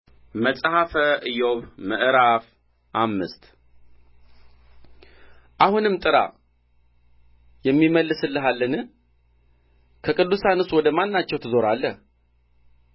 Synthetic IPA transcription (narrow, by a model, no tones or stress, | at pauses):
məsʼhafəʔɨjoβməʔɨɾaf | ʔamːɨst̪ | ʔahunɨmt̪ʼɨɾa̰ | jɛmːiməlːɨsɨlːɨɦalːənɨ | kʰəkʼɨd̪ːusanɨswɔd̪əmanːat͡ʃːɛwt̪ʰɨzo̞ɾalːəh